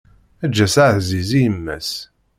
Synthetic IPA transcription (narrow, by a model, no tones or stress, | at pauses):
æd͡ʒːæsaʕθzizijəmːæ̰s